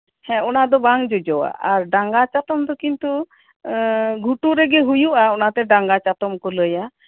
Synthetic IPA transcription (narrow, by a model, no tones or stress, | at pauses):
hɛ̃ɔnad̪ɔbaŋd͡ʒɔd͡ʒɔwa̰ʔaɾɖaŋɡat͡ʃat̪ɔmd̪ɔkint̪u | ɡʱuʈuɾɛɡɛɦujuʔaɔnat̪ɛɖaŋɡat͡ʃat̪ɔmkɔləja